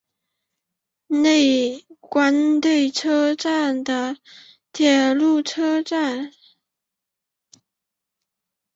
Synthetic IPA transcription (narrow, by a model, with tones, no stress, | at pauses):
ne˥˩ɪkwa˥nt̪we˥˩ɪʈ͡ʂʰɤ˥ʈ͡ʂa˥˩nd̪ə˩ | t̪ʰjɛ˨˩lu˥˩ʈ͡ʂʰɤ˥ʈ͡ʂa˥˩n